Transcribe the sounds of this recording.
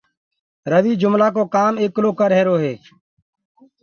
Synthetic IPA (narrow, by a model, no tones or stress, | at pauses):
ɾəʋiːd͡ʒʊmlaːk̬oːkaːmeːkːloːkəɾɦeːɾoːɦeː